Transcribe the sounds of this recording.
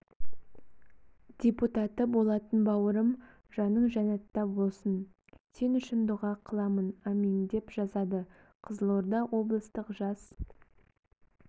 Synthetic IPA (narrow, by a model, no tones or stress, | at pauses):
d̪̥ʲe̞put̪ɑt̪əbo̞lˠɑt̪ənbɑwəɾəm | ʒɑnəɴʒɑnɑt̪ːɑbo̞lˠsən | sʰenʏʃɪnd̪ʊʁɑqʰəlˠɑmənɑmind̪e̞pʒ̥ɑzɑd̪ə | qʰəzəlˠoɾd̪ɑwʔo̞blˠəst̪əqʒɑs